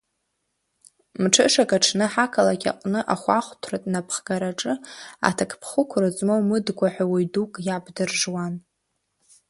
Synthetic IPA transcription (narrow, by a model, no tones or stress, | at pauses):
mʈ͡ʂʰɨʂakʼaʈ͡ʂʰnɨħakʰalakʲʼa̰qʷʼnɨʔaχʷaχʷtʰratʼnapʰχɡ̥aɾaʈ͡ʂʼɨa̰tʰakʰʼpʰχʊkʷʰrɨt͡sʼmowmɨdɡʷaħᶣawijdukʼjabdɨrʐwan